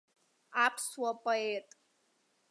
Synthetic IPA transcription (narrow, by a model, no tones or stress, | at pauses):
apʰswapʼaetʼ